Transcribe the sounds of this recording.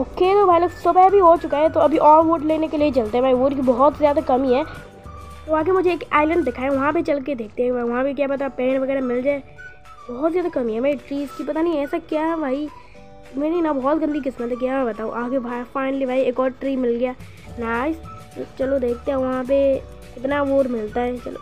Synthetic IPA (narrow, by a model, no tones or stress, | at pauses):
oːket̪obʱaːilɐɡsʊbəbʱiɦot͡ʃʊkaɛt̪oɐbʱiʔɔːɾʋoːɖleːnekeliet͡ʃɐlt̪eɛ̃bʱaːiʋoːɖkibɔɦɔt̪zjaːd̪akɐmiɦɛː | t̪oãːk̬emʊd͡ʒʱeːkaːɪlə̃ɳɖd̪ekʰaːeʋɐɦãpet͡ʃɐlk̬ed̪eːk̚ʰt̪eɦɛ̃aʋɐɦãpek̬jaːbɐt̪apɛ̃ːnʋɐɡɛːɾamɪld͡ʒaːe | bɔɦɔt̪zjaːd̪akɐmiɦɛbʱaːiʈɾiːzkipɐt̪aniĩɛːsakjabʱaːi | mɛ̃niinabɔːɔt̪ɡə̃nd̪ik̬ɪsmət̪ɛk̬jamɛ̃bɐt̪aːṵ̃ʔaːkebʱafaːɪnəlibʱaːieːkɔːɾʈɾiːmɪlɡɪjaː | naːɪst̪o̰t͡ʃɐlod̪eːk̚ʰt̪eɦɛ̃ʋɐɦãp̬e | ɪt̪naʋoːʈmɪlt̪aɦɛt͡ʃɐ̰lo̰